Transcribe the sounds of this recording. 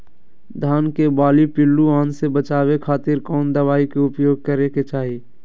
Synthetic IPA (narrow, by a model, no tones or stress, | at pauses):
d̪ʱaːnkebaːlipɪlːuãːnsebət͡ʃaːwekʰaːt̪ɪɾkɔːnd̪əβaːikeʊpjoːɡ̚kəɾeket͡ʃaːɦi